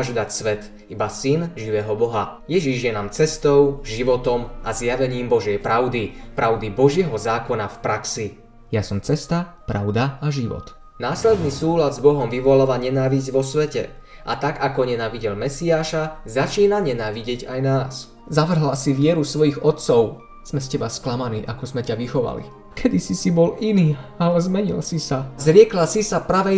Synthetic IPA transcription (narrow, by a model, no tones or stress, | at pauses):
ʒd̪acsʋɛt̪ | ibasinʒiʋɛːɦɔbɔɦajɛʒiʒjɛnaːmt͡sɛst̪ɔʊʒiʋɔt̪ɔmazjaʋɛɲiːmbɔʒɪjɛjpɾaʊd̪ipɾʔaʊd̪ibɔʒɪɛɦɔzaːkɔnafpɾaksi | jasɔmt͡sɛst̪a | pɾaʊd̪aaʒiʋɔ̰t̪ | naːslɛd̪nisuːlad̪zbɔɦɔmʋiʋɔlaːʋaɲɛnaːʋizɟʋɔsʋɛcɛ̰ | ʔa̰t̪aɡakɔɲɛnaːʋiɟɛlmɛsiaːʃazat͡ʃiːnaɲɛnaːʋiɟɪɛɟajnaːs | zaʋr̩ɦlasiʋɪɛɾusʋɔjiɣɔt̪̚t͡sɔʊ | z̥mɛscɛbasklamaniːʔakɔzmɛcaʋixɔʋa̰lḭ | kʰɛd̪isisibɔliniːalɛzmɛɲḭlsisazɾɪɛklasisapɾaʋɛ